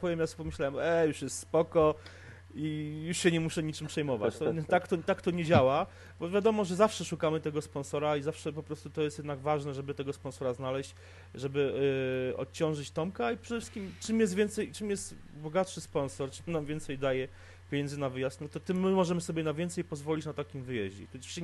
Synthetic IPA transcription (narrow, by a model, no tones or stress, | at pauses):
pɔvʲjɛmjaspɔmɘɕlawɛmɛjuʂjɛst̪spɔkɔ | ijuʂɕɛɲɛmuʂɛɲit͡ʂɘmpʂɛjmɔva̰t͡ɕt̪ɔt̪akt̪ɔt̪akt̪ɔɲed͡ʑawa | bɔvʲjad̪ɔmɔʐɛzafʂɛʂukamɘt̪ɛɡɔspɔ̃nsɔɾaizafʂɛp̬ɔpɾɔst̪ut̪ɔjɛst̪jɛd̪naɡvaʐnɛʐɛbɘt̪ɛɡɔspɔnsɔɾaznalɛɕt͡ɕ | ʐɛbɘ | ɔ̰t̪̚t͡ɕɔ̃w̃ʐɘt͡ɕt̪ɔmkaipʂɛd̪ɛfʂɨskʲimt͡ʂɘmjɛst̪vʲjɛnt̪sɛjt͡ʂɘmjɛst̪ | bɔɡat̪ʂɘspɔnsɔɾt͡ʂɘmnamvʲɛnt̪sɛjd̪ajɛ | pʲjeɲɛnd̪zɘnavɘjasnut̪ɔt̪ɘmːɘmɔʐɛmɘsɔbʲjɛnavʲjɛnt̪sɛjpɔzvɔlʲit͡ɕnat̪akʲimvɘjɛʑd͡ʑɛ̰t̪u̥ɕ